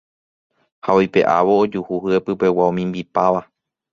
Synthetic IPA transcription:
haojpe̞̰ʔa̰ʋo̞ːd͡ʒuhuɦɨepɨpe̞waõmĩmbipaʋa

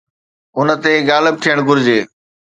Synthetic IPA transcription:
ʊnət̪eɡaːləb̚t̪ʰijəɽ̃ɡʊɾɪd͡ʑeː

